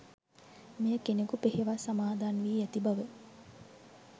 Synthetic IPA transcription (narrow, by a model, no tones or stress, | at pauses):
mijəkenekupeɦeʋasamaːd̪aːnʋiːæt̪ibɐʋe